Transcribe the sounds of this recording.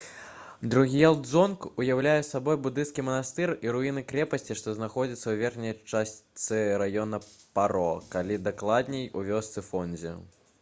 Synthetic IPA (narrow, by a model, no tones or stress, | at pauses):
d̪ɾuɣʲijalˠd̪zɔnkujawlʲajɛsabɔjbud̪ɨnskʲimɐnast̪ɨriɾuinɨkɾʲɛpɐsʲt͡sʲiʂt̪ɔznaxɔd͡zʲit̪sːɐwvʲɛrxnʲɛjt͡ʂasʲt̪sɨɾajɔnɐpaɾɔkalʲid̪aklˠad̪ʲnʲɛjuvʲɔst̪sɨfɔnʲd͡zʲɛ̰